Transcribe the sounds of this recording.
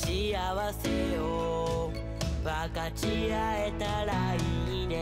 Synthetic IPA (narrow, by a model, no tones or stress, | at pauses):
t͡ʃiaβasɛo | βakat͡ʃiaɛt̪aɺainɛ